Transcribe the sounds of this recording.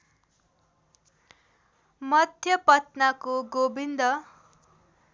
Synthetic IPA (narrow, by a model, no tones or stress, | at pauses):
mʌd̪ʱjʌpʌt̪nakoɡobind̪ʌ